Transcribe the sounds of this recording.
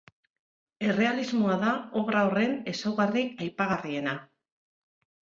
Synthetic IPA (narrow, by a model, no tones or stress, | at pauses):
e̞re̞alizmoaðao̞βɾaore̞ne̞sawɣariajpaɣarie̞na